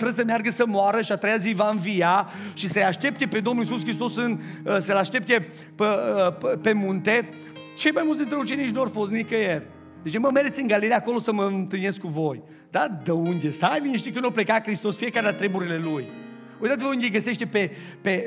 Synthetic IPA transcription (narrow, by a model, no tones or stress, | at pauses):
t̪ɾəd̪səmjarɡəsəmoaɾəʃiat̪ɾejazivaɨnvijaʃisəjaʃt̪e̞p̚t̪e̞pe̞d̪o̞mnulisuskɾist̪o̞sɨnəsəlaʃt̪e̞p̚t̪e | pəəpe̞munt̪e̞ | t͡ʃe̞jmajmult̪d̪int̪ɾeut͡ʃe̞nit͡ʃnuoarfost̪nikəjerʲ | d̪et͡ʃeməmeɾet̪sʲɨŋɡalilejako̞lo̞səməɨnt̪ɨnie̞skuvo̞j | d̪ad̪əund̪e̞st̪ajvineʃt̪ijkɨnoplekakɾist̪o̞sfiekaɾelat̪ɾe̞buɾile̞luj | oujt̪at̪ivəund̪ejɡəse̞ʃt̪e̞pe | pe